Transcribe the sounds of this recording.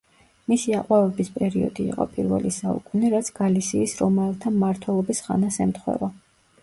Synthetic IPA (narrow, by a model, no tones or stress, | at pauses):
misiaqʼwavɛbispʼɛɾiɔ̰d̪ḭːqʼɔ̰pʼiɾvɛ̰lisaṵkʼuniɾat̪sʰɡ̥alisiːsɾɔmalˠt̪ʰamaɾt̪ʰwɛlˠɔbisχa̰nasɛmt̪χwɛ̰va